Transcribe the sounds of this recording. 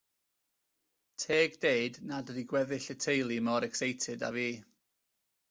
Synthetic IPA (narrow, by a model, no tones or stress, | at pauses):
tʰeːɡdejdnadədiɡwɛðɪɬətʰejlˠimɔɾɛksejtʰɨda̰viː